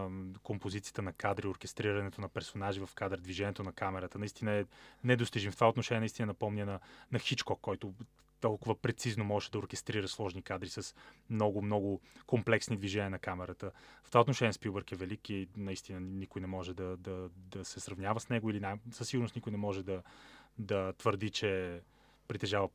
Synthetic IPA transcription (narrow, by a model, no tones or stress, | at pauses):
kompozit̪sijə̥t̪ənɐkad̪ɾioɾkɛst̪ɾiɾɐnɛt̪onɐpɛɾsonaʒivɐfkad̪ɾəd̪viʒɛniɛt̪onɐkamɛɾət̪ənɐist̪inəɛnɛd̪ost̪iʒimft̪ovaot̪noʃɛnʲiɛnist̪inənɐpɔmnʲənɐnɐxit͡ʃkɔkːɔjt̪ʊ | t̪ɔlˠkʊvəpɾɛt̪siznomɔʒɛʃɛd̪ɐoɾkɛst̪ɾiɾəslˠɔʒnikad̪ɾisəsmnɔɡʊmnɔɡʊkomplɛksnid̪viʒɛnʲiənɐkamɛɾət̪əft̪ovaot̪noʃɛniɛspibəɾkɛvɛlikinɐist̪inənikʊjnɛmɔʒɛd̪ɐd̪ɐd̪ɐsɛsɾɐvnʲavəsnɛɡʊilinasəsːiɡʊɾnosnikʊjnɛmɔʒɛd̪ɐd̪ɐt̪vəɾd̪it͡ʃɛ | pɾit̪ɛʒavə